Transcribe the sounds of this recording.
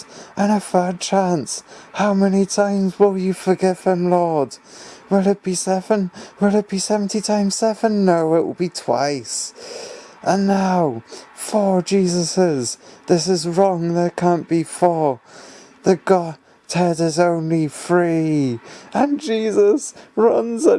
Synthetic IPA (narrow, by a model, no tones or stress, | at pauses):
ʔɨ̃nəfɜ˞d̚t͡ʃʰæ̃nshaʊmɛnitʰãɪ̃mzwɪlˠjɨfə˞ɡɪv̥ɪ̃mlɔɹd̥ | wɪlˠɨt̚b̥isɛvə̃nwɪlˠɨt̚b̥isɛvn̩titʰãɪ̃mz̥sɛvə̃nːoʊɪʔwə̰lˠbitʰw̥a̰ɪs | ʔə̃nːaʊfə˞d͡ʒizəsɪzðɪsɨzɹɔ̃ŋðə˞kʰæ̃nb̥ifə˞ | ðɨɡ̥ɑ̥ | hɛdɪzõʊ̃nlifɹi | ə̃nd͡ʒizəsɹʌ̃nzə